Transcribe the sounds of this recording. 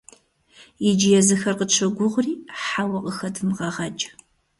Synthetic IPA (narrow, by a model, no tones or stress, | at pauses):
jid͡ʒɪjɛzɨxɐrqət͡ʃʰɐɡʷʊʁʷriːħawɐqʼəxɐdʰɨmʁɐʁɐd͡ʒʼɐ̥